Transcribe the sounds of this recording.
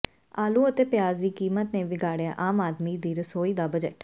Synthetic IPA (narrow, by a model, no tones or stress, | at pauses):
aːlũːət̪eːpɪjaːzd̪iːkiːmət̪nẽːʋɪɡaːɽeja̰ːʔaːmaːd̪miːd̪iːɾəsoːiːd̪aːbəd͡ʒə̰ʈ